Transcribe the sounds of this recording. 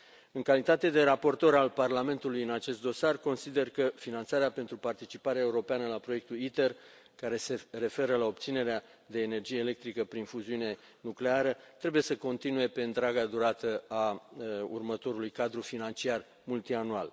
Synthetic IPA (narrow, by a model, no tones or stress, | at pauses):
ɨŋkalit̪at̪e̞d̪e̞ɾapo̞rt̪o̞ɾalparlame̞nt̪ulujɨnat͡ʃe̞st̪d̪o̞sarko̞nsid̪e̞rkəfinant̪saɾeape̞nt̪ɾupart̪it͡ʃipaɾeaeuɾo̞peanəlapɾo̞je̞k̚t̪ulit̪e̞r | kaɾe̞se̞re̞fe̞ɾəlao̞p̚t̪sine̞ɾea | d̪e̞ːne̞rd͡ʒije̞ːle̞k̚t̪ɾikəpɾinfuziune̞ | nukle̞aɾət̪ɾe̞buje̞səko̞nt̪inuje̞pe̞ɨnt̪ɾaɡad̪uɾat̪əa | ṵrmət̪o̞ɾulujkad̪ɾufinant͡ʃiar | mult̪ianual